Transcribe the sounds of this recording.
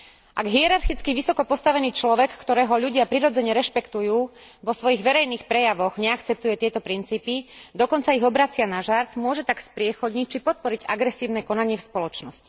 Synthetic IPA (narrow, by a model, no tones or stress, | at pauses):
ʔaɡɦiɛɾaɾxit͡skiʋisɔkɔpɔst̪aʋɛniːt͡ʃlɔʋɛkːt̪ɔɾɛːɦɔʎuɟɪapɾiɾɔd͡zɛɲɛɾɛʃpɛkt̪ujuːʋɔsʋɔjiɣʋɛɾɛjniːxpɾɛjaʋɔɣɲɛakt͡sɛp̚t̪ujɛt̪ɪɛt̪ɔpɾint͡siːpid̪ɔkɔnt͡saiɣɔbɾat͡sɪanaʒaɾt̪mʊɔʒɛt̪akspɾɪɛxɔd̪ɲic̚t͡ʃipɔt̪̚pɔɾiɟa̰ɡɾɛsiːʊnɛkɔnaɲɪɛfspɔlɔt͡ʃnɔsci̥